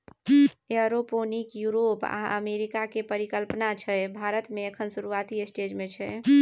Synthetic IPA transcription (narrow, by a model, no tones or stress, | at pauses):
jəɾoponikjuɾopa̰ə̰meɾikakepəɾikəlpnat͡ʃʰɛbʱaɾət̪meekʰənsuɾuat̪iesʈed͡ʒmet͡ʃʰɛ